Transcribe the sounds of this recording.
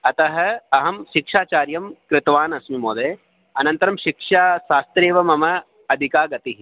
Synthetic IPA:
ɐt̪ɐɦɐɐɦɐmʃikʂaːt͡ʃaːɾjɐmkɾɪt̪ʋaːnɐsmimoːd̪eː | ɐnɐnt̪ɐɾɐmʃikʂaːʃaːst̪ɾeːʋɐmɐmɐ | ɐd̪ʱikaːɡɐt̪iɦi

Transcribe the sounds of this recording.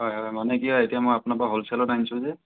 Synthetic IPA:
ɦɔjɦɔjmanɛkiɔetijamojapʊnapaɦolsɛlɔtainsʊ̃zɛ

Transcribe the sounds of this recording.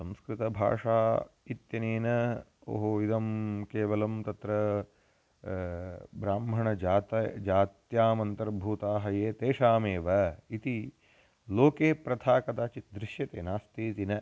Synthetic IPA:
sɐ̃mskɾɪt̪ɐbʱa̰ːʂaːit̪jɐneːnɐo̰ːɦoid̪ɐmkeːʋɐlɐmt̪ɐt̪ɾɐ | bɾaːmɦɐɳɐd͡ʒaːt̪ɐd͡ʒaːt̪jaːmɐnt̪ɐɾbʱuːt̪aːɦɐjeːt̪eːʂaːmeːʋɐit̪i | loːkeːpɾɐt̪ʰaːkɐd̪aːt͡ʃit̪̚d̪ɾɪʂjɐt̪eːnaːst̪eːt̪inɐ

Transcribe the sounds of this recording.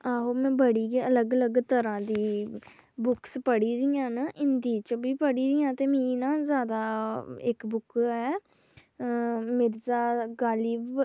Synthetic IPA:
aːɦoːmɛ̃ːbəɽiːɡeːələɡələɡt̪əɾãːd̪iː | bʊkspəɽiːɾɪjãːnəʔɪnd̪iːt͡ʃəbiːpəɽiːɾɪjãːt̪eːmiːnãːzjaːd̪aːɪkbʊkɛː | mɪɾzaːɡaːliːb

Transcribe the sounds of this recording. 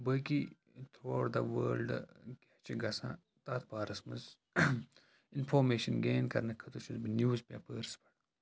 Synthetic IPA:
bɐki | t̪ʰuʋaːɖd̪ɐʋə̰ːlɖket͡ʃiɡɐsã̰ | t̪aːt̪̚paːɾɐsmɐz | ɪnfoːɾmeːʃɐnɡeːnkɐɾnɐkʰːɐt̪ut͡ʃuzbinjuːzpeːpəɾspɐ̥ɽ

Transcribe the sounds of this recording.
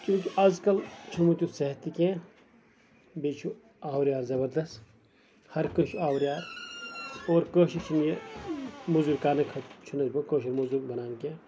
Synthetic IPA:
t͡ʃũːkiʔɐzkɐlt͡ʃʰumut̪ʲuseɦt̪ikẽː | beːt͡ʃʰu | aːwɾjaːɾzɐbɐɾd̪ɐst̪ | hɐɾkɐʃʰuaːwɾijaːɾ | oːɾkəːʃit͡ʃʰinie | muzuːɾkaːnɐkʰɐt͡ʃʰunɐzbɐ̃kəːʃɐɾmuzuːɾbɐnaːnkẽː

